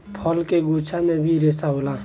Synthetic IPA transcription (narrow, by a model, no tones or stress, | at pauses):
pʰəlkeɡut͡ʃʰamẽbʱiɾesaɦola